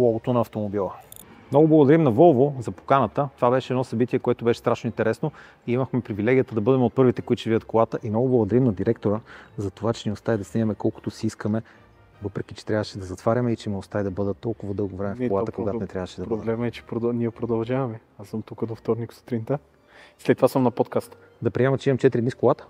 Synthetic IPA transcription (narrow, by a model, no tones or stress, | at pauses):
lˠɔɡot̪onɐːft̪omobilˠə | mnɔɡʊblˠɐɡʊd̪ɐɾimnɐvɔlˠvozɐpo̥kanət̪ət̪ovabɛʃɛɛd̪nɔsɐbit̪iɛkoɛt̪obɛʃɛ̥st̪ɾaʃnoint̪ɛɾɛsno | iiməxmɛpɾivilɛɡʲiət̪əd̪ɐbɤd̪ɛmɛot̪̚pɤɾvit̪ɛkoit͡ʃɛviət̪̚kolˠat̪əʔimnɔɡʊblˠɡod̪ɐɾimnɐd̪iɾɛkt̪oɾəzɐt̪ovat͡ʃɛniost̪aid̪ɐsnɛjɐmɛkɔlˠkʊ̥t̪osiiskəmɛ | vɤpɾɛk̟it͡ʃɛ̥t̪ɾʲavəʃɛd̪ɐzɐt̪vaɾʲɐmɛit͡ʃɛmiost̪aid̪ɐbɤd̪ət̪ːɔlˠkʊvɐd̪ɤlˠɡovɾɛmɛfolˠat̪əkoɡ̪at̪onɛt̪ɾavəʃɛd̪ɐboblɛmɛt͡ʃɛ̥pɾod̪niɛpɾod̪ɐlˠʒavɐmɛasəmt̪ukəd̪oft̪ɔɾnikso̥t̪ɾint̪ə | slɛt̪ːovasəmnɐpɔt̪kast̪ | d̪ɐpɾiɛmɐt͡ʃɛimɐmt͡ʃɛt̪ɾid̪niskolˠat̪ə̥